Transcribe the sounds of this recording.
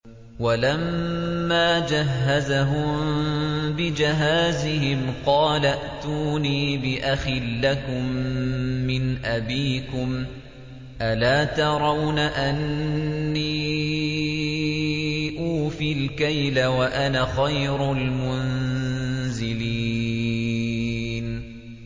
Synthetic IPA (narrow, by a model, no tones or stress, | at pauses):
walamːaːd͡ʒaɦːazaɦʊm | bɪd͡ʒɪɦaːzɪhɪmqɑːlaʔt̪uːniːbɪʔaxɪlːakʊmː | ɪnʔabiːkʊm | ʔalaːt̪ɑɾˤɑwnaʔanː | iː | ʔuːfilkajlawaʔanaxajɾʊlmʊn | zɪliː | n